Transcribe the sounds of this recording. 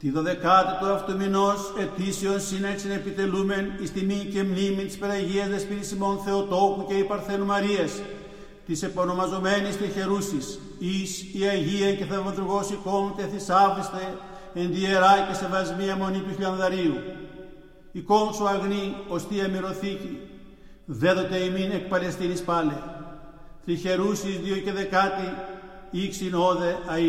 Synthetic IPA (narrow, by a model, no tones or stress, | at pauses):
t̪iðo̞ðe̞kɐt̪it̪oɐft̪omino̞se̞t̪iseonsineksinepit̪e̞lume̞nist̪imice̞mnimint̪ispeðɐʝiɐzðespiɾisimo̞nθe̞ot̪o̞puce̞ipɐɾθe̞numɐɾiɐs | t̪ise̞pono̞mɐzo̞me̞nist̪içe̞ɾusis | isiɐʝiɐceθɐvɐðuɾɣo̞siko̞ŋceθisɐvist̪e | end̪ieɾɐcest̪evɐzmiɐmo̞nit̪uçiʎɐnðɐɾiu | ikomsoɐɣniost̪iɐmiɾoθici | ðeðot̪eiminek̚pɐle̞st̪inispɐle | θɾiçe̞ɾusizðioceðe̞kɐt̪i | iksinoðeɐi